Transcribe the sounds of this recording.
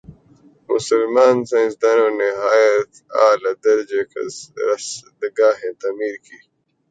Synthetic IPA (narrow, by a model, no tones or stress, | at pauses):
mʊ̰sɐlmaːnsaĩsd̪aːnoniɦaːjɐt̪a̰ːlɐd̪ɐɾd͡ʑekʰɐ̰ɾɐsd̪əɡaːɦẽt̪amiːɾkʰiː